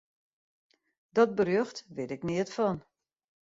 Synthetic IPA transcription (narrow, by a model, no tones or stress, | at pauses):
dɔt̚bərjøxtʋɪdɪknɪətfɔn